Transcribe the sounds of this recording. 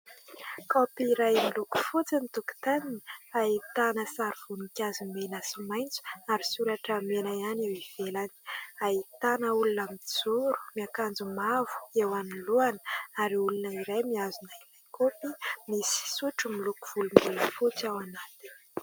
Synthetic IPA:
kɔpiɾajmiluku̥fut͡sinit̪uku̥t̪aniniait̪anəsaɾiv̥unikʲazumenasimajnt͡su̥aɾisuɾaʈ͡ʂamenaanewiv̥elani̥ait̪anəulunamid͡zuɾu̥miakand͡zumavu̥ewaniluanə̥aɾiulunəiɾajmiazunailajkopimisi̥suʈ͡ʂumiluku̥v̥ulumbuləfut͡sawanat̪in

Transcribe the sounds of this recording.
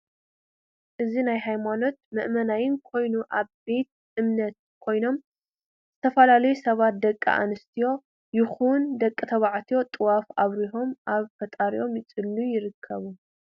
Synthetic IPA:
ʔɨzinajɦajmano̞t̪̚mɨʔmɐnajɪnkʰo̞jnuʔaβbe̞t̪̚ | ʔɨmnɐt̪̚kʰo̞jno̞m | z̥ɨt̪ʰɐfɐlalɐjusɐβat̪̚d̪ɐkʼːḭʔa̰nɨst̪ʰijo̞ | jɪxund̪ɐkʼːɨt̪ʰɐβaʕt̪ʰijo̞t̪ʼɨwafaβɾiɦo̞mʔaβfɐt̪ʼaɾiʔo̞mjɪt͡sʼɨlːujɪɾɨkʰːɐβu

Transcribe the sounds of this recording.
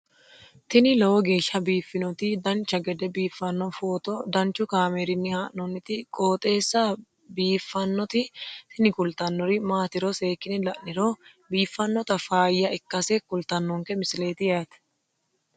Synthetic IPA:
t̪ɪnɪlɐwɔɡe̞ːʃːɐbiːfːɪnɔt̪ɪd̪ɐnt͡ʃːɐɡɛd̪ɛbiːfːɐnːɔfoːt̪ɔd̪ɐnt͡ʃʊkaːmeɾɪnːɪhaːʔnɔnːɪt̪ɪkʼoːt̪ʼe̞ːsːɐ | biːfːɐnːɔt̪ɪt̪ɪnɪkʊlt̪ɐnːɔɾɪmaːt̪ɪɾɔse̞ːkːɪnɪlɐʔnɪɾo | biːfːɐnːɔt̪ɐfaːjːɐɪkːɐsekʊlt̪ɐnːɔŋkɛmɪsle̞ːt̪ɪjaːt̪ɛ̥

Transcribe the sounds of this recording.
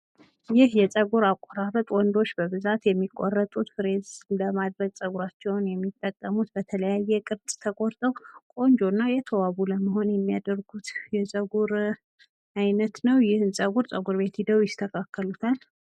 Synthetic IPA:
jɪhjɛsʼəɡuɾakʼːoɾarət̪ʼwɔnd̪o̞t͡ʃːbəβɨzat̪jɛmːikʼːɔrːət̪ʼut̪fɨɾezləmad̪ɾəɡsʼəɡuɾat͡ʃːɛwnjɛmːit̪ʼːəkʼːəmut̪bət̪ʰələjajːɛkʼɨɾt̪ʼt̪ʰəkʼoɾt̪ʼəwkʼo̞nd͡ʒo̞nːajɛt̪ʰəwaβuləməho̞njɛmːijad̪əɾɡut̪jɛsʼəɡuɾ | ajnət̪nəwjɪhɨnsʼəɡuɾsʼəɡuɾbe̞t̪id̪əwjɪst̪ʰəkʰakːəlut̪ʰal

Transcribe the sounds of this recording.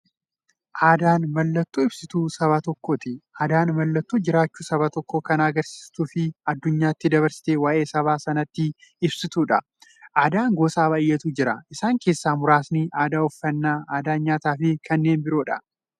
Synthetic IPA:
ʔaːd̪aːnmɐlːɐt̪ːuːɪb̥sɪt̪uːsɐβat̪ɔkːoːt̪ɪʔaːd̪aːnmɐlːɐt̪ːuːd͡ʒɪɾaːt͡ʃːuːsɐβɐt̪ɔkːoːkɐnɐɡɐɾsi̥ːst̪uːfɪɐd̪ːʊɲːaːɪt̪ːɪd̪ɐβɐɾsɪ̥t̪eːwaːʔe̞ːsɐβaːsɐnɐt̪ːɪɪbsɪt̪uːᶑɐ | ʔaːd̪aːŋɡoːsaːbɐɪjːɐt̪uːd͡ʒɪɾɐʔɪsaːŋke̞ːsːaːmʊɾaːsniʔaːd̪aːɔfːɐnːaːaːd̪aːɲaːt̪aːfɪkʰɐnːe̞ːnbɪɾo̞ːᶑɐ

